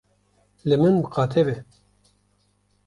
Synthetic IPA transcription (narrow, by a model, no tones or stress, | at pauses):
lɨmɨnbɨqʰɑːt̪ʰɛbɛ